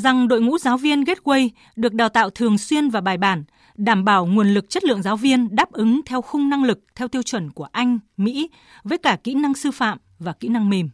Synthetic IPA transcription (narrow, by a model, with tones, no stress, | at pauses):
za˨˩ŋɗo̰˧˨jŋṵ˧˥zaː˨˦wvi˧ənɣe˦˥t̚kwə˧j | ɗɨ˨˩ək̚ɗaː˨˩wt̪a̰ː˧˨wt̪ʰɨ˨˩əŋswi˧ənvaː˨˩ɓaː˨˩jɓaː˧˩n | ɗaː˧˩mɓaː˧˩wŋu˨˩ənlɨ˨˩k̚t͡ɕə˦˥t̚lɨ̰˧˨əŋzaː˨˦wvi˧ənɗaː˦˥p̚ʔɨ˨˦ŋt̪ʰɛ˧wxʊ˧ŋ͡mna˧ŋlɨ˨˩k̚t̪ʰɛ˧wt̪i˧əwt͡ɕwə˧˩nku˧˩əʔa˧jŋ̟mḭ˧˥ | vəː˨˦jkaː˧˩kḭ˧˥na˧ŋsɨ˧fa̰ː˧˨m | vaː˨˩kḭ˧˥na˧ŋme˨˩m